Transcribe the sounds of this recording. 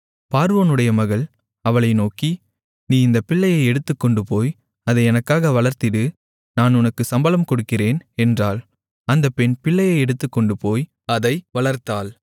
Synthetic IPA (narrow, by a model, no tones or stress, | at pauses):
paːɾʋoːnɯɽɐjɐmɐɣɐɭ | ɐʋɐɭɐɪnoːki | niːɪnd̪ɐpɪɭːɐjɐɪɛɽɯt̪ːɯkːɔɳɖɯpoːj | ɐðɐɪɛnɐkːaːɣɐʋɐɭɐɾt̪ɪɽɯ | naːnʊnɐkːɯsɐmbɐlɐmkɔɽɯkːɪreːnɛndraːl | ɐnd̪ɐpːɛnpɪɭːɐjɐɪɛɽɯt̪ːɯkːɔɳɖɯpoːj | ɐðɐɪʋɐɭɐɾt̪aːl